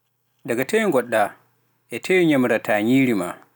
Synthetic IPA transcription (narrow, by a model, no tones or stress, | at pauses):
daɡatewŋɡɔɗːa | ʔɛtʰewɲamɾataɲiːɾima